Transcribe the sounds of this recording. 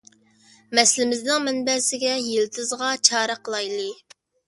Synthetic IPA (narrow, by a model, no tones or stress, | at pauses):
mɛslɪmɪznɪŋmɛnbɛsɪɡʲɛjelt̪ʰɪzʁɑt͡ʃʰɑːɾəqʰəlˠɑjlˠɨ